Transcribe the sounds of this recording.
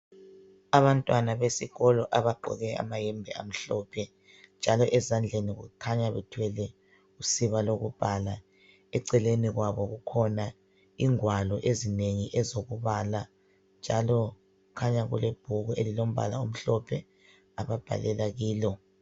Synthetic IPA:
aβantʼwanaβesiɣɔlɔʔaβaɡ͡ǃʱɔ̰ɣɛa̰majɛmbʱɛʔa̰m̩ɬɔpʰɛ | nd͡ʒʱalɔʔɛzand͡ɮʱeniɣṵkʰaɲaβɛtʰwɛlɛ | usiβaloɣub̥ʱala | ɛǀɛleniɣwaβɔɣukʰɔna | iŋwalɔʔezineŋiʔɛzoɣuβala | nd͡ʒʱalɔ | kʰaɲaɣṵleb̥ʱuɣuʔelilom̩ba̰la̰um̩ɬɔpʰɛ | aβab̥ʱa̰lɛlaɣiːlɔ

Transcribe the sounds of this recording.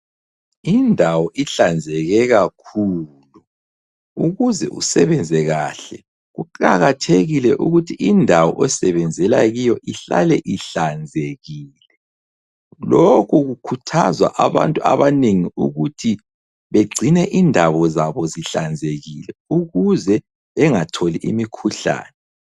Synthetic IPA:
indʱawɔʔiɬand͡zʱɛɣɛɣakʰu | lu | uɣuzɛ̰ṵsɛβɛnd͡zʱɛɣaɬɛ | ɣuǃʼaɣatʰeɣilɛʔuɣutʰiʔindʱawɔʔɛsɛβɛnd͡zʱɛlaɣijɔʔiɬa̰lɛʔiɬand͡zʱeɣiːlɛ | lokʰuɣukʰutʰazwa̰ʔaβa̰ntʼua̰βaneŋiuɣutʰi | βeɡ͡ǀʱinɛʔindʱaβɔzaβɔziɬand͡zʱeɣilɛuɣuzɛ | ɛŋatʰoliʔimikʰuɬa̰ːnɛ

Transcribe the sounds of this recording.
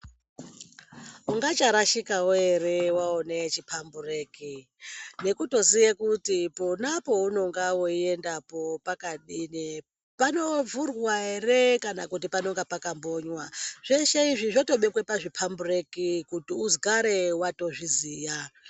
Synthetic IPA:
uŋɡat͡ʃaɾaʃikawoe̞rewaone̞t͡ʃipʰambureːki | ne̞kuto̞zijekutiponapo̞uno̞ŋɡawo̞ie̞ndapo̞pakaɗini | pano̞vurwaere̞kanakut̬ipano̞ŋɡapakambo̞ɲwaʐ̥eʃeiʐiʐoto̞ɓekwepaʐipʰambure̞kikutiuzɡaɾewato̞ʐiziːja

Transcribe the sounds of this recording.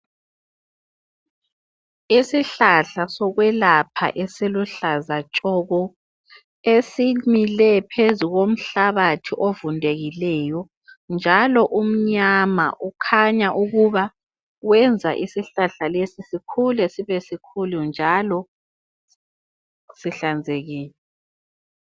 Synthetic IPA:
isiɬaɬasɔɣwɛlapʰa̰ʔesiluɬazat͡ʃʼɔɣɔ | esimilɛpʰezuɣom̩ɬaβatʰiʔovundʱeɣilɛːjɔ | nd͡ʒʱalɔʔum̩ɲama̰ʔukʰaɲaʔuɣuβa | wɛnd͡zʱaʔisiɬaɬalesisikʰulɛsiβɛsikʰulund͡ʒʱalɔ | siɬand͡zʱeɣiːlɛ

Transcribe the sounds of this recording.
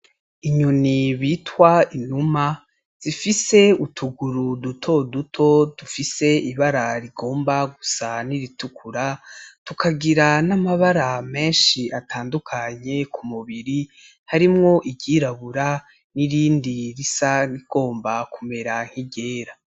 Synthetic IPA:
iɲuniβiːtwainuma | z̥ifise̞utʰuɡuɾudutʰo̞dutʰo̞d̥ufise̞iβaɾaɾiɡo̞ːmbaɡusaniɾitukʰuɾatukʰaɡiɾanamaβaɾame̞ːnʃiatʰaːndukʰaɲe̞kʰumuβiɾi | haɾimŋo̞ʔiɟiːɾaβuɾa | niɾiːndiɾisaniɡ̥o̞ːmbakume̞ɾaŋ̥hiɟe̞ːɾa

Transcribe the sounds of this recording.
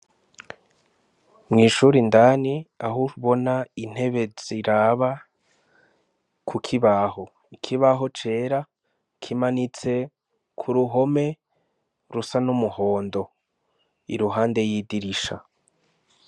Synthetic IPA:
mŋiːʃuɾindaːniaɦuβo̞nain̥he̞βe̞ziɾaːβa | kʰukʰiβaho̞ | ikʰiβaɦo̞t͡ʃe̞ːɾa | kʰimanit͡se̞ | kʰuɾuɦo̞me̞ | ɾusanumuho̞ːndo̞ | ḭɾuɦaːnde̞jiːdiɾiʃa̰

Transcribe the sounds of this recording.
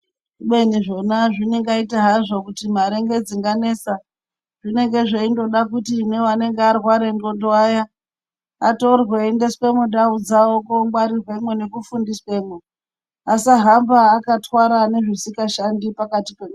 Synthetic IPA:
ɓe̞niʐo̞naʐineŋɡaitaɦaʐo̞kutimaɾe̞ŋɡe̞d͡ziŋɡane̞sa | ʐine̞ŋɡeʐeindo̞ɗakutine̞wane̞ŋɡearwaɾendo̞ndoaja | ato̞rweːnde̞swe̞mudaud͡zawokomɡwaɾirwe̞mwene̞kufundiswe̞ːmwe | asaɦambaːkatwaɾane̞ʐisikaʃandipakatipe̞u

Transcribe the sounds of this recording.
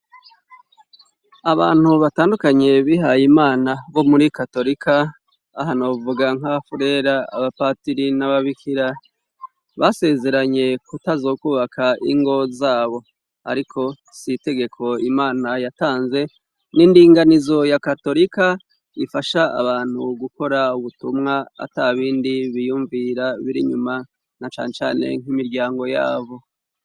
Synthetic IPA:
aβa̰ːn̥huβataːndukaɲe̞βiɦajimaːnaβo̞muɾikato̞ɾikʰaː | ɦanovuɡaŋ̥hafuɾe̞ɾaa̰βapaːtiɾinaβaβikʰiɾa | βase̞ze̞ɾaɲe̞kutazo̞ːkuβakʰaʔḭŋɡo̞zaːβo̞ | a̰ɾikʰo̞ | site̞ɡe̞kʰo̞imaːnajataːnze̞ | niːndiːŋɡanizo̞jakato̞ɾika | ifaʃaa̰βaːn̥huɡuko̞ɾauβutumŋaa̰taβiːndiβijuːɱviɾaβiɾḭɲuma | nat͡ʃa̰ːnet͡ʃa̰ːne̞̰ŋ̥imiɾɟaːŋɡo̞ja̰ːβo̞

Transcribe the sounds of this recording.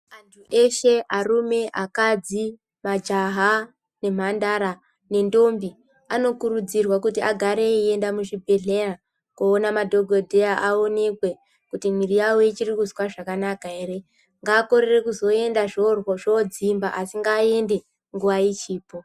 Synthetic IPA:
antʰuʔe̞ʃe̞ʔarume̞ʔakad͡zi | mad͡ʒaɦa | ne̞m̤andaɾa | ne̞ndo̞mbi | ano̞kuɾud͡zirwakutiaɡʱaɾe̞ie̞ndamuʐibʱeɮe̞ra | kuːnamadʱo̞ɡʱodʱe̞jaʔao̞ne̞kwe̞ | kutimirijawoit͡ʃirikuswaʐakanakaɦe̞ːre̞ | ŋɡaːko̞ɾere̞kuzo̞e̞ndaʐorwoʐod͡zimbaʔasiŋɡaːe̞nde̞ | ŋɡuʋait͡ʃiːpo̞

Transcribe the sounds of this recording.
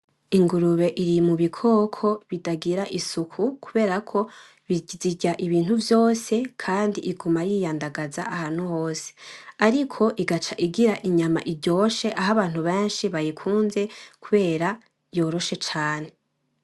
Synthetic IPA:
iŋɡuɾuβe̞ʔiɾimuβikʰo̞ːkʰo̞βidaɡiɾaʔisukʰukʰuβe̞ːɾakʰo̞ | βiziɟaʔiβiːn̥huvjo̞ːse̞kʰaːndiʔiɡumajijaːndaɡazaʔahan̥huho̞ːse̥aɾikʰo̞ʔiɡat͡ʃaʔiɡiɾaʔiɲama̰ʔiɾɟo̞ːʃe̞ʔaɦaβaːn̥huβeːnʃiβajikʰuːnze̞kuβe̞ːɾa | jo̞ːɾo̞ʃe̞t͡ʃaːne̞

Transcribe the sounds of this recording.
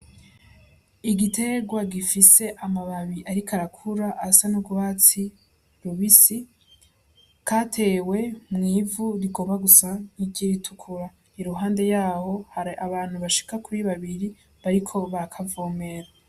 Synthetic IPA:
iɡitʰe̞ɡwaɡifise̞ʔamaβaβiʔaɾikʰaɾakʰuɾaʔasanuɡwaːt͡si | ɾuβisi | kʰaːtʰe̞ːwe̞mŋiːvuɾiɡoːmaɡusaniɡiɾitʰukʰuɾa | iɾuɦaːnde̞jaːho̞haɾaβaːn̥huβaʃi̥kakuɾiβaβiɾi | βaɾikʰo̞βaɾakʰavoːme̞ɾa

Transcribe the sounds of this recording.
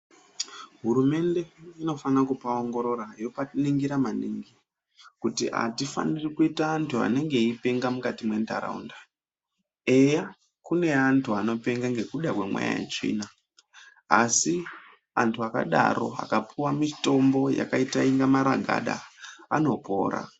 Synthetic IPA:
ɦuɾume̞nde̞ino̞fanakupaoŋɡo̞ɾo̞rajo̞paniŋɡiɾamaniŋɡi | kutiʔa̰tifa̰nirikuitaːntʰua̰ne̞ŋɡe̞ipe̞ŋɡamukatimwe̞ndaɾa̰ṵnda | e̞ja | kune̞antʰuano̞pe̞ŋɡaŋɡe̞kuɗakwe̞mwa̰ja̰jḛt͡ʃḭːna | asi | antʰuaka̰ɗa̰ɾo̞̰a̰kapʰuwamito̞mbo̞ja̰kaitaiŋɡamaɾaɡʱa̰ɗaano̞po̞̰ːɾa̰

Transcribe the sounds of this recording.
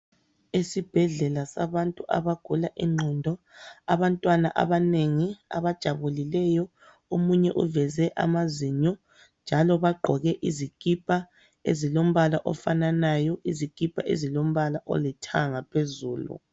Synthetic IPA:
esib̥ʱɛɮɛlasaβantʼuʔa̰βaɡ̥ʱulaʔiŋ͡ǃʱɔndʱɔ | a̰βantʼwana̰ʔa̰βaneŋia̰βad̥ʒ̥ʱaβulilɛjɔ | omuɲɛʔuvɛzɛʔa̰maziɲɔ | nd͡ʒʱalɔβaɡ͡ǃʱɔɣɛʔizikʼipʼa | ḛzilom̩βalaʔɔfananajɔizikʼipʰʼaʔḛzilom̩βalaʔɔ̰litʰa̰ŋapʰezuːlṵ

